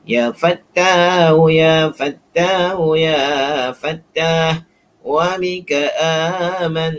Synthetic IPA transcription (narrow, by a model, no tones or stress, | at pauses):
jaːfat̪ːahujafat̪ːahujafat̪ːah | wamikaʔaːman